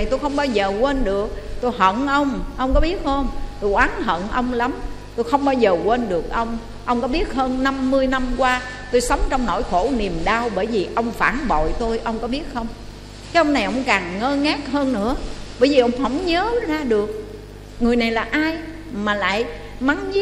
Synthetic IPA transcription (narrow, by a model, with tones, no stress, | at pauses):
jt̪o˧jxə˧wŋ͡mɓaː˧wzəː˨˩kwe˧nɗɨ˨˩ək̚t̪o˧jɦə̰˧˨nʔə˧wŋ͡mʔə˧wŋ͡mkɔ˨˦ɓi˦˥ət̚həː˧nt̪o˧jʔwaː˨˦nɦə̰˧˨nʔə˧wŋ͡mla˨˦m | t̪o˧jxə˧wŋ͡mɓaː˧wzəː˨˩kwe˧nɗɨ˨˩ək̚ʔə˧wŋ͡m | ʔə˧wŋ͡mkɔ˨˦ɓi˦˥ət̚həː˧nːa˧mːɨ˧əjna˧mkwaː˧ | t̪o˧jsə˨˦wŋ͡mt͡ɕɔ˧wŋ͡mno̰˧˩jxo˧˩ni˨˩əmɗaː˧wɓəː˧˩jvi˨˩ʔə˧wŋ͡mfaː˧˩nɓo̰˧˨jt̪o˧jʔə˧wŋ͡mkɔ˨˦ɓi˦˥ət̚xə˧wŋ͡m | kaː˨˦jʔə˧wŋ͡mna˨˩jʔə̰˧˩wŋ͡mkaː˨˩nŋəː˧ŋa˦˥k̚həː˧nːɨ̰˧˥əɓəː˧˩jvi˨˩ʔə˧wŋ͡mɦə˧˥˩wŋ͡mɲəː˨˦zaː˧ɗɨ˨˩ək̚ | ŋɨ˨˩əjna˨˩jlaː˨˩ʔaː˧j | maː˨˩la̰ː˧˨j | ma˨˦ŋ˦˥